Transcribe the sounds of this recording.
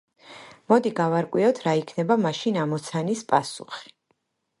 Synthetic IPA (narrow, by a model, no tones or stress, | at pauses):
mɔd̪iɡavaɾkʼwiɔt̪ʰɾaikʰnɛbamaʃinamɔt̪sʰanispʼasṵχi̥